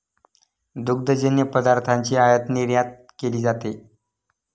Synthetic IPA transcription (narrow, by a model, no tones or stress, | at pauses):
d̪uɡ̚d̪əd͡ʑənjəpəd̪aɾt̪ʰaɲt͡ɕiːajət̪niɾjat̪̚ | keliːd͡zat̪e